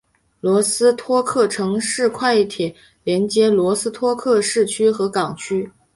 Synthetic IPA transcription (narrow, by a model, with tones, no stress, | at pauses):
lwɔ˧˥sɹ̩˥t̪ʰwɔ˥kʰɤ˥˩ʈ͡ʂʰɤ˧˥ŋʂɻ̩˥˧kʰwa˥˧ɪi˥˩t̪ʰjɛ˨˩ | ljɛ˧˥nt͡ɕjɛ˥lwɔ˧˥sɹ̩˥t̪ʰwɔ˥kʰɤ˥˧ʂɻ̩˥˩t͡ɕʰy˥xɤ˧˥kɑ˨˩ŋt͡ɕʰy˥